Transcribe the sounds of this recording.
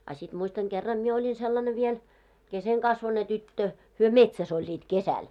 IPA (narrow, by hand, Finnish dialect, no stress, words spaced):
ɑ sit muistɑŋ ɡ̊erːɑm mie olʲin selːɑne ʋiel keseŋkɑsʋone tytːø hyø metsæs olʲːiːt kesæl